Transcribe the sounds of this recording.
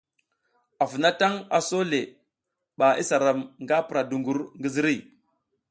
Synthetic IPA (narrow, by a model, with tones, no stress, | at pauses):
a˨fi˨na˦ta˦ŋa˨so˦le˨ | ɓa˨ʔi˦sa˨ɾa˨mŋɡa˦pɾa˨du˨ŋɡu˨ɾŋɡi˦zi˦ɾi˦˨